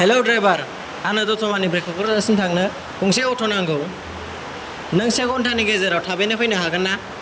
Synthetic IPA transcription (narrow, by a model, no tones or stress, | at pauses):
helowdɾebaɾ | anɐdɔtʰɔmanibɾekʰɔkʰɔɾːsintʰak̚nɯ | kʰuŋseɔtʰɔnaŋɡɯw | nɐŋseɡɔntʰaniɡezeɾawtʰabejnɯpʰɯjnɯɦaɡɯnːa